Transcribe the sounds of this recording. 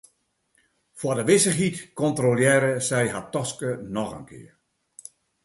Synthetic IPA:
fwɔdəʋɪsəxitkɔntroljɛːɾəsɛjɦatːɔskənɔxə̰nkʰɪ̰ːər

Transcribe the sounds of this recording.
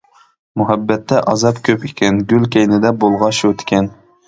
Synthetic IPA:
muɦɛbːɛt̪ʰːɛʔɑzɑpkʲʰøpikʲʰɛnɡʲylkʲejnɪd̪ɛbolˠʁɑʃut̪ʰɪ̥kʲʰɛn

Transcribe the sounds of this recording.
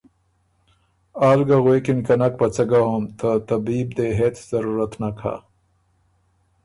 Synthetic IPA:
aːlɡaɣwekinkanak̚pat͡saɡaɦomt̪ʰət̪abiːb̚d̪eɦet͡s̪z̥aɾuɾat̪nakʰa̰

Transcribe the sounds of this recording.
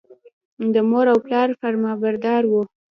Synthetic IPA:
d̪əmoɾawplɑɾfaɾmɑbaɾd̪ɑɾwu

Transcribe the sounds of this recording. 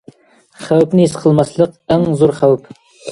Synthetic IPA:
χæwpnɪisqʰəlˠmɑslˠəqæŋzuɾχæwp

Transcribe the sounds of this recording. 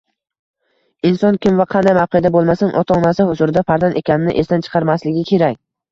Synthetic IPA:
ɪnsɒnkʲʰɪmvaqʰɑnd̪ajmawqijad̪abolˠmasanŋʔɒt̪ʰaɒnasahʊzʊɾɪd̪afaɾzane̞kʲanɪnɪ̰ʔest̪ant͡ʃʰɨ̥qʰɑɾmaslɪɡʲɪkʲʰe̞ɾakʲ

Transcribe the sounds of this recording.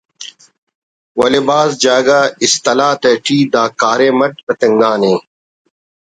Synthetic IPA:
wɐlebaːzd͡ʑaːɡaːist̪ɐlaːt̪ɐːʈʰiːd̪aːkaːɾeːmɐʈ̚kɐt̪ɐŋɡaːnẽː

